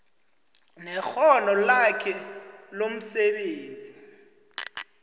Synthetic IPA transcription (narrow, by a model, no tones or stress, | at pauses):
nɛxɔnɔlakʰɛlom̩sɛɓeːnd͡zʱi